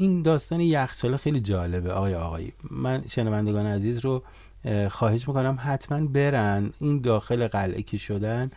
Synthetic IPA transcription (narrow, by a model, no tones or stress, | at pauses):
ind̪ɒːst̪ɒːnejæxsɒːlexejlid͡ʒɒːle̞beɒːɣɒːjeɒɣɒːjḭːmænʃenævænd̪eɡɒːneæziːzɾo | xɒːhe̞ʃ̬miːko̞næmɦæt̪ʰmænbe̞ɾænʔind̪ɒːxe̞leɣælʔḛcʰeʃo̞d̪æn